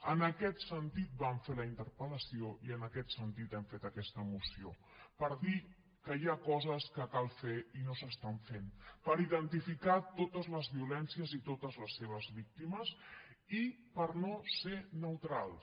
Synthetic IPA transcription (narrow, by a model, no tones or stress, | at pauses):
ənəkɛt̪sənt̪it̪̚baɱfeləint̪əɾpələsioiənəkɛt̪sənt̪it̪ɛmfet̪əkɛst̪əmusio̰ | pəɾði | kəjakɔzəskəkalˠfeinosəst̪aɱfenpəɾiðənt̪ifikat̪ot̪əzləzβiulɛnsiəzit̪ot̪əzləsːeβ̞əzβik̚t̪iməsipəɾnosenəwt̪ɾalˠ